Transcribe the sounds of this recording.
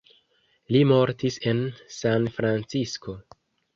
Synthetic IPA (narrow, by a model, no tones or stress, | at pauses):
limo̞ɾtise̞nsanfɾant͡sisko̞